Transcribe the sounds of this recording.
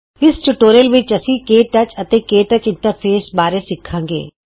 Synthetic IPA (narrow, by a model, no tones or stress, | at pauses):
ɪst͡ʃʊʈoːɾəlʋɪt͡ʃɐsĩkeːʈɐt͡ʃɐt̪eːkeːʈɐt͡ʃɪ̃ɳʈəɾpʰeːsbaːɾesɪkʰãːŋɡḛː